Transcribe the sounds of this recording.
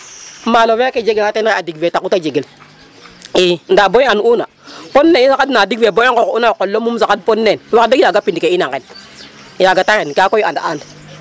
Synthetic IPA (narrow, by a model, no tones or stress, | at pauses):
maloweked͡ʒeɡeatenadiɡvetakutad͡ʒeɡel | in̩daboanuunaponːeisakadnadiɡveboŋkounakolːomums̬akad̚ponːenwakdekjaɡapindkeinaŋken | jaɡataenkakojiandaan